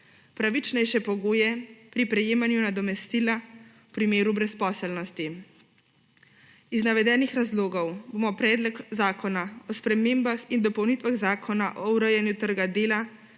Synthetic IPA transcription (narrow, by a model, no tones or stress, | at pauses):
pɾaʋit͡ʃnɛjʃɛpɔɡoːjɛpɾipɾɛjeːmanjunad̪ɔmɛst̪ilawpɾimeːɾubɾɛspɔːsɛlnɔst̪i | iznaʋɛd̪ɛːnixɾazloːɡɔwboːmɔpɾɛːd̪lɔkzaːkɔnaɔspɾɛmeːmbaxind̪ɔpɔwnit̪ʋaɣzaːkʰɔnaʔɔuɾəjɛnjut̪əɾɡad̪eːla